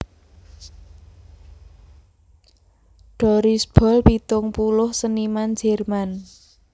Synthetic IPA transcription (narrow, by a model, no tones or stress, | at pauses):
ɖ̥ɔɾisb̥ɔ̤lpit̪ʊŋpulʊhsənimand͡ʒɛrman